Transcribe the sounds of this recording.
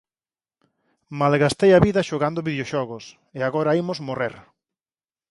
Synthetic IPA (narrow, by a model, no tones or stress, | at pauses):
malɣast̪ejaβiðɐʃoɣand̪ʊβiðeoʃɔɣʊs | eaɣɔɾɐimʊzmoreɾ